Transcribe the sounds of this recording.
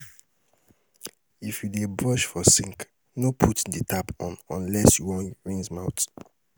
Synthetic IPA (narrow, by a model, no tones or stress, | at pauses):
ifjudebɹɔʃfɔsĩŋk | nopʰutditʰapɔ̃nɔ̃nlɛsjuwɔ̃nɹĩŋzmaʊt